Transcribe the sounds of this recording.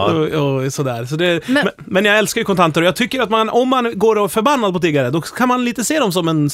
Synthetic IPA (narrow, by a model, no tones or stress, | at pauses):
ɑsɔd̪æ̰ːɾsɔd̪ɛm | mɛnjɑːɡɛlskaɾjɵkɔnt̪ʰant̪əɾɔjɑːɡt̪ʰʏkːəɾat̪manɔmːanɡoːɾɔfœɾbanːad̪pʰɔt̪ʰiːɡaɾəd̪ɔkʰanmanliːt̪əseːd̪ɔms̬ɔmɛn